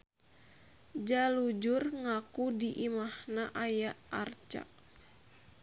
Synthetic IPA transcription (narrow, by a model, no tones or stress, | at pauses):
d͡ʒalud͡ʒurŋakudiʔimahnaʔajaʔart͡ʃa̰ʔ